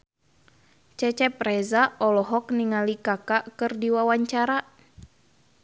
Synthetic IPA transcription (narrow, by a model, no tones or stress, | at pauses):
t͡ʃɛt͡ʃɛpɾɛzaɔlɔɦɔk̚niŋalikakaʔkɨrdiwawaɲt͡ʃaɾa